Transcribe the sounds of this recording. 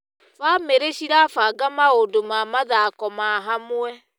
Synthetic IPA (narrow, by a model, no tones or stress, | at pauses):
βameɾeɕiɾafaɡamaodomamaðakɔmaɦamwɛ